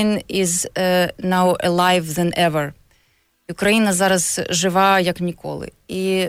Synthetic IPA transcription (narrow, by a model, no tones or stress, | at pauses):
inɪznaʊɛ̰lˠajvðɛ̃nʔɛvəɹ | iʊkɾɐjinɐzaɾɐzʐɨʋajɐknʲɪkʰo̰lˠɪ̰i